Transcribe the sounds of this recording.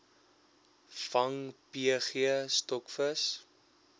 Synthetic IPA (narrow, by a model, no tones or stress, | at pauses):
fɐŋpiəχiəstɔkfəs